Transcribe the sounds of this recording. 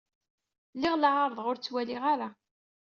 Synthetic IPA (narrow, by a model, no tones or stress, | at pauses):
lːɪʁləʕaɾˤðˤʁʊɾt͡sːwæliʁaɾa